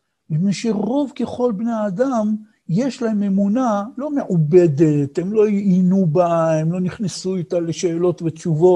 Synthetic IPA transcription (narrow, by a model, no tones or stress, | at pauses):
mineʃeʁo̞vke̞χo̞lbnead̪am | jeʃlaheme̞munalo̞meʕube̞d̪et̪emlo̞jiʔinubaemlo̞niχnesuit̪aleʃeːlo̞t̪vet͡ʃuvo̞